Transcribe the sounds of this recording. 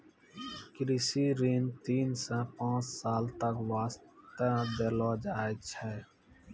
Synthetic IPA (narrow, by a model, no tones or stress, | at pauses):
kɾisiːɾiːnt̪iːnsə̃pãːt͡ʃsaːlt̪əkʋaːst̪ə̃d̪eːlɔːd͡ʒaːet͡ʃʰɛː